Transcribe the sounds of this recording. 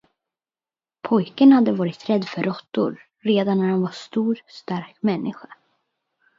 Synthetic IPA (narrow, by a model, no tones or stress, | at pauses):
pʰɔjkənhad̪ːəvɑːɾɪt̪ɾɛd̪ːfœɾɔt̪ːʊ̰ɾː | eːd̪anːæɾhanvast̪uːɾst̪aɾkmɛnːɪɧḁ